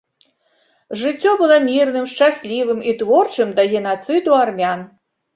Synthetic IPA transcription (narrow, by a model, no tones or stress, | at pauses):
ʐɨt͡sʲːɔbɨlˠɔmʲirnɨmʂt͡ʂasʲlʲivɨmit̪vɔrt͡ʂɨmd̪ɐɣʲɛnat̪sɨd̪uarmʲan